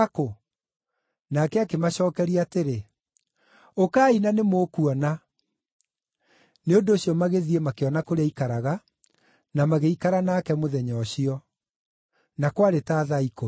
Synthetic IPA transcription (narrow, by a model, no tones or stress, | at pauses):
ako | nakɛakemaɕɔːkɛɾiateɾe | okaːinanemoːkuwɔna | neondoːɕijɔmaɣeðiemakeɔnakoɾeaikaɾaɣa | namaɣeikaɾanakɛmoðɛɲɔɕiɔ | nakwaɾetaːðaiko